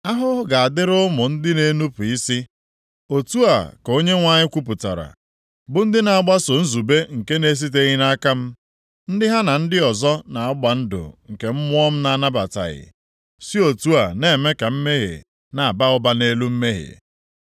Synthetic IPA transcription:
a˦ɦʊ˦ɡa˨a˨dɪ˦ɾʊ˦mʊ˨n̩˦dɪ˦ne˦nu˦pʊ˨i˦si˦ | o˨tu˦a̰˨ko˦ɲe˦ŋʷa˦ɲɪ˦kʷu˦p̬ʊ˨ta̰˨ɾa̰˨ | bʊ˦n̩˦dɪ˦na˨a˨ɡ͡ba˦so˨n̩˦zu˨be˦ŋ̩˨ke˦ne˦s̬i˦t̬e˦ɣi˦na˦ka˦m̩˦ | n̩˦dɪ˦ɦa˦na˨n̩˦dɪ˦ɔ˨zɔ˦na˨ʊ˦ɡ͡ba˨n̩˦dʊ̰˨ŋ̩˨ke˨m̩˦mʊ˦ɔ˦m̩˦na˦na˦ba˨ta̰˨ɣɪ̰˨ | si˦o˨tu˦a˨ne˨me˦ka˨m̩˦me˦ɦḛ˨ | na˨a˨ba˦ʊ˦ba˦ne˦lu˦m̩˦me˦ɦḛ˨

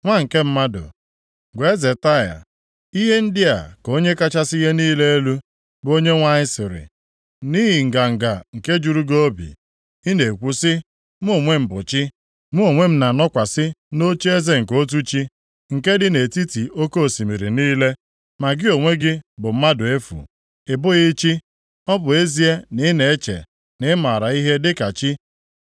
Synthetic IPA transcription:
ŋʷa˦ŋ̩˨ke˦m̩˦ma˦dʊ̰˨ | ɡʷe˦ze˨ta˦˨ja̰˨ | i˦ɦe˦n̩˦dɪ˦a̰˨ko˦ɲe˦ka˦t͡ʃa˦si˦ɦe˦niː˦le˦e˦lu˦ | bo˦ɲe˦ŋʷa˦ɲɪ˦sɪ˨ɾɪ̰˨ | ni˦ɦi˨ŋ̩˨ɡa˨ŋ̩˨ɡa˨ŋ̩˨ke˦d͡ʒu˨ɾu˦ɡo˦o˦bḭ˨ | i˦ne˨kʷu˦sɪ˦ | m˦o˨ŋʷe˦m̩˨bʊ˨t͡ʃɪ˦ | mu˦o˨ŋʷe˦m̩˦na˨nɔ˦kʷa˨sɪ˦no˦t͡ʃi˦e˦ze˦ŋ̩˨ko˦t̬u˦t͡ʃi˦ | ŋ̩˨ke˦dɪ˦ne˨ti˦ti˨o˦ko˦o˨si˨mi˨ɾi˨niː˦le˦ | ma˨ɡɪ˦o˨ŋʷe˦ɡɪ˦bʊ˨m̩˦ma˦dʊ˨e˦fṵ˨ | ɪ˨bʊ˦ɣɪ˦t͡ʃi˦ | ɔ˦bʊ˨e˦zi˦e˦nɪ˦ne˨e˦t͡ʃḛ˨ | nɪ˦ma˨ɾa˨i˦ɦe˦dɪ˦ka˨t͡ʃi˦

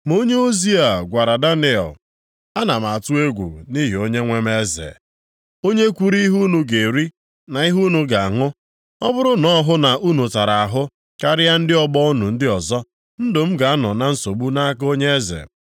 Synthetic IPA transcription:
mo˦ɲe˦o˦zi˦a˨ɡʷa˨ɾa˨da˦ni˦˨ɔ̰˨l | a˦na˨ma˨tu˦e˦ɡʷṵ˨ni˦ɦi˨o˦ɲe˦ŋʷe˦me˦zḛ˨ | o˦ɲe˦kʷu˦ɾi˦i˦ɦu˦nu˨ɡe˨ɾi˦ | na˨i˦ɦu˦nu˨ɡa˨a˨ŋʊ˦ | ɔ˦bʊ˦ɾʊ˦nɔ˦ɦʊ˦na˨ʔu˦nu˨ta˨ɾa˨a˨ɦʊ˦ | ka˦ɾɪ˦ja˦n̩˦dɪ˦ɔ˦bɔ˦u˦nu˨n̩˦dɪ˦ɔ˨zɔ˦ | n̩˦dʊ˨m̩˦ɡa˨a˦nɔ˨na˨n̩˦so˨bu˦na˦k̬o˦ɲe˦e˦zḛ˨

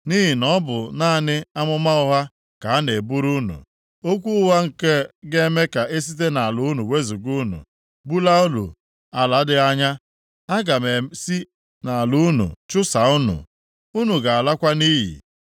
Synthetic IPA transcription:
ni˦ɦi˨nɔ˦bʊ˨naː˦˨nɪ˦a˦mʊ˦ma˦ʊ˦ɦa˦ | ka˨a˦ne˨bu˦ɾu˦nṵ˨ | o˦kʷu˦ʊ˦wa˦ŋ̩˨ke˦ɡe˦me˦ka˨ʔe˦s̬i˦t̬e˦na˨a˨lʊ˨˦nu˨we˦zu˨ɡu˦nṵ˨ | bu˦la˦u˦lṵ˨ | a˨la˨˦dɪ˦a˦ɲa˦ | a˦ɡa˨me˨si˦ | na˨a˨lu˦nṵ˨t͡ʃʊ˦sa˨u˦nṵ˨ | u˦nu˨ɡa˨a˨la˦kʷa˦ni˦ɦḭ˨

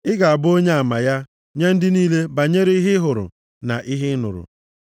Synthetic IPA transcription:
ɪ˦ɡa˨a˨bʊ˦o˦ɲe˦a˨ma˨ja˦ | ɲe˦n̩˦dɪ˦niː˦le˦ba˨ɲe˦ɾe˦i˦ɦɪ˦ɦʊ˨ɾʊ̰˨ | na˨ʔi˦ɦɪ˦nʊ̰˨ɾʊ̰˨

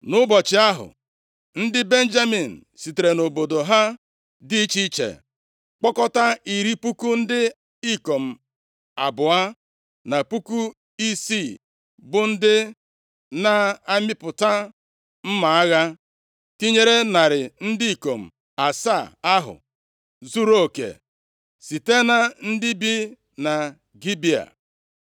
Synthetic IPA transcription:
nʊ˦bɔ˨t͡ʃɪ˨a˦ɦʊ̰˨ | n̩˦dɪ˦be˦n̩˦d͡ʒa˦mi˨n̩˨si˨te˨ɾe˨no˨bo˨do˨ɦa˦ | dɪ˦i˦t͡ʃi˦t͡ʃḛ˨ | k͡pɔ˦kɔ˦ta˦i˨ɾi˦pu˦ku˦n̩˦dɪ˦ | i˦ko˨m̩˨ | a̰˨bʊ˨a˦ | na˨pu˦ku˦ | i˦si˦˨ | bʊ˨n̩˦dɪ˦ | na˦a˦mɪ˦pʊ˨ta˦ | m̩˦ma˨a˦ɣa˦ | ti˦ɲe˦ɾe˦na˨ɾɪ˨n̩˦di˦i˨ko˨m̩˨ | a˨sa˦˨a˦ɦʊ̰˨ | zu˦ɾo˦o˨kḛ˨ | si˨te˦na˨n̩˦di˦bi˦ | na˨ | ɡi˦bi˨a̰˨

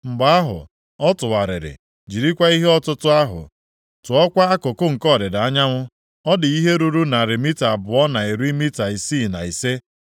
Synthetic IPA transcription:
ŋ͡m̩˨ɡ͡ba˨a˦ɦʊ̰˨ | ɔ˦tʊ˨wa˨ɾɪ̰˨ɾɪ̰˨ | d͡ʒi˨ɾi˦kʷa˦i˦ɦe˦ɔ˦tʊ˦tʊ˦a˦ɦʊ̰˨ | tʊ˨ɔ˦kʷa˦a˦kʊ˨kʊ˦ŋ̩˨kɔ˦˨ɾɪ˨da˦ɲa˦ŋʷʊ˦ | ɔ˦dɪ˨i˦ɦe˦ɾu˦ɾu˦na˨ɾi˨mi˦ta˨bʊ˨ɔ˦na˨i˨ɾi˦mi˦ta˨i˨si˦˨na̰˨i˨se˦

